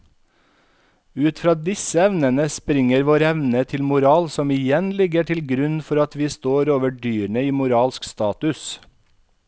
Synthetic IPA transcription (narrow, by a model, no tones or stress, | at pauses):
ʉːt̪fɾɑːd̪ɪsəɛʋnənəspɾɪŋəɾʋoːɾɛʋnət̪ʰɪlmʊɾɑːlsɔmɪjɛnlɪɡəʈʰɪlɡɾʉnfɔɾɑt̪ʰʋiːst̪oːɾoːʋəɖyːɾɳəiːmʊɾɑːlskst̪ɑːt̪ʉs